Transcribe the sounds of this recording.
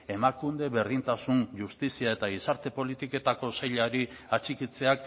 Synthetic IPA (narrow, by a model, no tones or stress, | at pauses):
e̞makund̪e̞βe̞ɾðint̪asunʝust̪isiae̞t̪aɣisaɾt̪e̞po̞lit̪ike̞t̪ako̞sajʎaɾi | at͡ʃikit͡se̞ak̚